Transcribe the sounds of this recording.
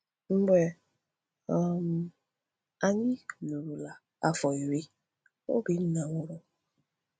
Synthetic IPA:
m̩˦ɡ͡be˨˦˨ | m˨ | a˨ɲɪ˦lu˨ɾu˨la˨ | a˦fɔ˨i˨ɾi˦ | o̰˦bi˨n̩˦na˨ŋʷʊ˦ɾʊ˦

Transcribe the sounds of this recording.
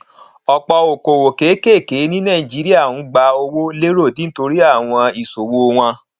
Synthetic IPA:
ɔ˨k͡pɔ˧o˨ko˨wo˨ke˨˦ke˦˨ke˨˦nĩ˦nã˦˨i˨d͡ʒi˨˦ɾi˦a˦˨ũ˨˦ɡ͡ba˧o˧wo˦le˦ɾo˦˨dĩ˦to˧ɾi˦a˦˨w̃ɔ̃˧i˨so˨wo˧w̃ã˧

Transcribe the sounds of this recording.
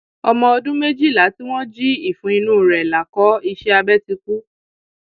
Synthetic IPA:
ɔ˧mɔ̃˧ɔ˧dũ˦me˦d͡ʒi˦˨la˨˦ti˦w̃ɔ̃˦d͡ʒi˦i˦˨fũ˨˦i˧nũː˦˨ɾɛ˨la˨kɔ˨˦i˧ʃɛ˦a˧bɛ˦ti˧ku˦

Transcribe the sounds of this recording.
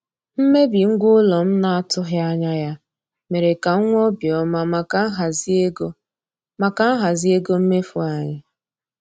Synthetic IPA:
m̩˦me˦bi˨ŋ̩˦ɡʷʊ˦lɔ˨m̩˦na˦a˦tʊ˦ɦɪ˦a˦ɲa˦ja˦ | me˨ɾe˨ka˨˦ŋʷ˦ɔ˦bjɔ˦ma˦ma˦ɦzɡ | ma˨ka˦ɦa˨zi˦e˦ɡo˦m̩˦me˦fu˦a˨ɲɪ˨

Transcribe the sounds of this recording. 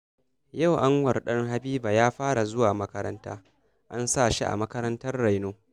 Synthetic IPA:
ja˦˨wʔa˦ŋwɐ˨rɗɐ˦ŋɦa˦biː˦ba˨jaː˦ɸaː˦ɽa˨zʊ˦waː˨mɐ˦kɐ˦ɾɐ˦nta̰ː˦ | ʔa˦nsa˦˨ʃḭ˦ʔa̰˨mɐ˦kɐ˦ɾɐ˦ntɐ˦rːa˨jnoː˦

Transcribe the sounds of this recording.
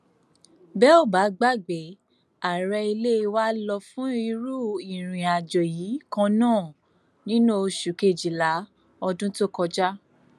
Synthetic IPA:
bɛ˦ɔ˦˨ba˨˦ɡ͡ba˦˨ɡ͡be˨˦ | a˨ɾɛ˧i˧le˦˧wa˦lɔ˧fũ˦i˧ɾu˦i˨ɾ̃ĩ˨a˨d͡ʒɔ˨ji˨˦kã˧nãː˦˨ | nĩ˨˦nũ˦o˧ʃu˨ke˦˨d͡ʒi˨la˨˦ | ɔ˧dũ˦to˦kɔ˧d͡ʒa˦

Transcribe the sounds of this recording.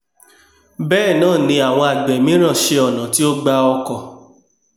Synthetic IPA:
bɛː˦˨nãː˦˨nĩ˧a˨w̃ɔ̃˧a˨ɡ͡bɛ˨mĩ˨˦ɾ̃ã˦˨ʃe˧ɔ˨nã˨ti˦o˦ɡ͡ba˧ɔ˧kɔ˧˨

